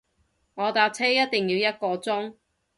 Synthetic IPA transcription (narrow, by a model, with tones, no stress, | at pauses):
ŋɔː˨˧t̪aː˧p̚t͡sʰɛː˥jɐ˥t̚t̪ɪ˨ŋjiː˨˧wjɐ˥t̚kɔː˧t͡sʊ˥ŋ